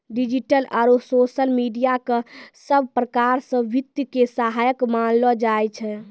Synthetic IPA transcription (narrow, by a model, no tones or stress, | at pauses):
ɖid͡ʒiʈəlaɾososəlmiɖijakesəbʱpɾəkaɾsə̃ʋit̪jəkesaɦajəkmanlɔd͡ʒajt͡ʃʰɛ